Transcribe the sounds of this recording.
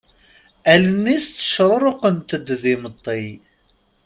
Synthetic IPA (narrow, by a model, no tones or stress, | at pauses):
ælənːist̪ːə̥ʃɾˤɾˤoqənt̪əd̪ðɪmət̪ˤːi